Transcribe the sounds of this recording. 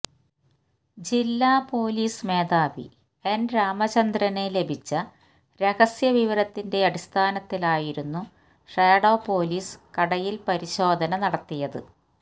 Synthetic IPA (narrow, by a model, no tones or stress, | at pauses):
d͡ʑilːaːpo̞ːliːsme̞ːd̪aːʋḭ | enɾaːmɐt͡ɕɐnd̪rɐne̞le̞bʱit͡ɕːɐ | ɾe̞ɣɐsjɐʋiʋɐɾɐt̪ːinde̞ɐɽist̪ʰaːnɐt̪ːilaːjiɾunːu | ʂeːɽo̞ːpo̞ːliːskɐɽɐjilpɐɾiɕo̞ːd̪ʱɐnɐnɐɽɐt̪ːijɐðɨ